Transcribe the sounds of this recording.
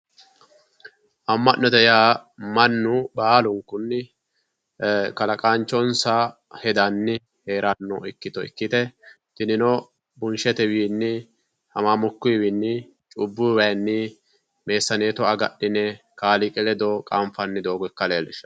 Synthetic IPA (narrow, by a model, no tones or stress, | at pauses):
ʔɐmːɐʔːɔd̪ɛjaːmɐnːʊbaːlʊŋkʊnːɪ | kɐlɐkʼant͡ʃːɔnsa | hɛd̪ɐnːɪ | he̞ːɾɐnːɔɪkːɪt̪ɔɪ̰kːɪt̪ɛ | t̪ɪnɪnɔ | bʊnʃɛt̪ɛwiːnːɪ | hɐmaːmʊkːʊjwɪnːɪ | t͡ʃʼʊbːʊwɐjnːɪ | me̞ːsːɐneːt̪ɔɐɡɐ̰ɗɪnɛ | kaːlɪkʼɛlɛd̪ɔkʼamfɐnːɪd̪oːɡɔɛkːɐleːlɪʃɐ̥